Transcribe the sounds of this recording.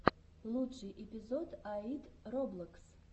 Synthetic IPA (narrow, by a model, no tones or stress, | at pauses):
lˠuʂɨjʔepʲizod̪ait̪roblˠəks